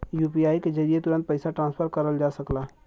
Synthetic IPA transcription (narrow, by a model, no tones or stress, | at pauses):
juːpiaːikezəɾijet̪ʊɾə̃nt̪̚pɐɪsaʈɾãːnspʰəɾkɐɾəld͡ʒaːsɐklaː